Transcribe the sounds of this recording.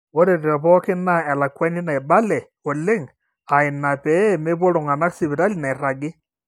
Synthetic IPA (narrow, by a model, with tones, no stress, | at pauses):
o˦ɾe˨ɾe˨ɾa˨pɔ˦ke˦na˦˨ɛ˨la˨kwa˦ni˦na˨e˨ba˦lɛ˨ | o˨le˦ŋ | a˨e˨na˨pɛ˨˦˨me˦βo˦lo˨ŋa˨na˦ksi˨βe˨ɾa˦li˨na˨e˨ɾa˨ɡe˦